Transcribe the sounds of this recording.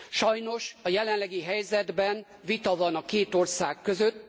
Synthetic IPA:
ʃɒjno̞ʃɒjɛlɛnlɛɡiɦɛjzɛd̪bɛn | vit̪ɒvɒnɒkeːt̪o̞rsaːkːø̞zøt̪ː

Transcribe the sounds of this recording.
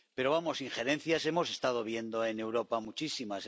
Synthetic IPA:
pe̞ɾo̞βamo̞siŋχe̞ɾẽ̞n̟θjase̞mo̞se̞st̪að̞o̞β̞je̞nd̪o̞ene̞wɾo̞pamut͡ʃisimas

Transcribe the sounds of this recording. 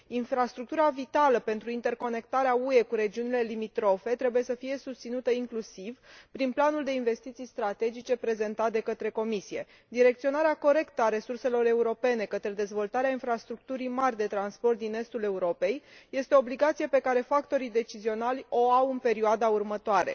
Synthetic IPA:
infɾast̪ɾuk̚t̪uɾavit̪aləpe̞nt̪ɾuint̪e̞rko̞ne̞k̚t̪aɾeaue̞kuɾe̞d͡ʒiunile̞limit̪ɾo̞fe̞t̪ɾe̞buje̞səfije̞sust̪sinut̪əiŋklusivpɾinplanuld̪e̞inve̞st̪it̪sijst̪ɾat̪e̞d͡ʒit͡ʃe̞pɾe̞ze̞nt̪at̪d̪e̞kət̪ɾe̞ko̞misije̞ | d̪iɾe̞k̚t̪sionaɾeako̞ɾe̞kt̪əaɾe̞surse̞lo̞ɾe̞uɾo̞pe̞ne̞kət̪ɾe̞d̪e̞zvo̞lt̪aɾeainfɾast̪ɾuk̚t̪uɾijmarʲd̪e̞t̪ɾanspo̞rt̪̚d̪ine̞st̪ule̞uɾo̞pe̞jje̞st̪eoːbliɡat̪sije̞pe̞kaɾe̞fakt̪o̞ɾid̪e̞t͡ʃizio̞nalʲo̞awɨnpe̞ɾioad̪aurmət̪oaɾe̞̰

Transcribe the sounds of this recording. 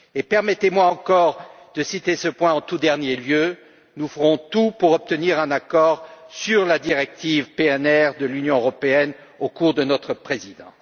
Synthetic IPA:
epɛʁmɛt̪emwaɑ̃kɔʁ | d̪̥əsit̪esəpwɛ̃ɑ̃t̪ud̪ɛʁnjeljø | nufəʁɔ̃t̪upuʁɔp̚t̪əniʁɛ̃nakɔʁsyʁlad̪iʁɛk̚t̪ivpeɛnɛʁd̪əlynjɔ̃øʁɔpeɛn | okuʁd̪ənɔt̪χəpχezid̪ɑ̰̃

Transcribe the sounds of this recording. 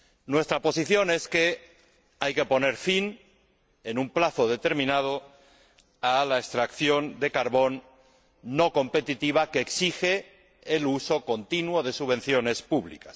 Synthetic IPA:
nwe̞st̪ɾapo̞siθjo̞ne̞ske̞ | ajke̞po̞ne̞ɾfin | enumplaθo̞ðe̞t̪e̞ɾmĩnað̞o̞ | alaekst̪ɾakθjo̞nd̪e̞kaɾβo̞nː | o̞ko̞mpe̞t̪it̪iβ̞akeːksixeː | luso̞ko̞nt̪inwoðe̞suβe̞n̟θjo̞nespuβlḭkḁs

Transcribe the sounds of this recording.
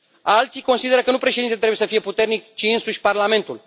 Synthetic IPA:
alt̪sijko̞nsid̪e̞ɾəkənupɾeʃed̪inet̪ɾebujesəfije̞put̪ernikt͡ʃiɨnsuʃʲparlame̞nt̪ul

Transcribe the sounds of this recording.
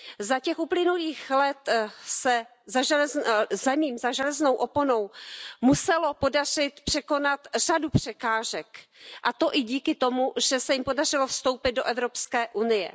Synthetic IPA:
zacɛxʔuplɪnuliːxlɛt̪sɛ | zaʒɛzamiːmzaʒɛlɛzno̞wʔo̞pono̞wmusɛlo̞po̞dar̝ɪt̪pr̝̥ɛko̞nat̪r̥adupr̝̥ɛkaːʒɛkʔat̪o̞ʔɪɟiːkɪt̪o̞muʒɛsɛjɪmpo̞dar̝ɪlo̞fst̪o̞wpɪt̪̚do̞ʔɛvɾo̞pskɛːʔunɪjɛ̰

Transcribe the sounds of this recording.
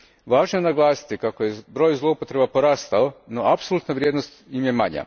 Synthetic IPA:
ʋaːʒnojenaɡlˠaːsi̥t̪ikakojebɾo̞jzlˠo̞upo̞t̪ɾe̞bapo̞ɾaːst̪aono̞apsolˠut̪naʋɾʲjed̪nost̪imjemaɲa̰

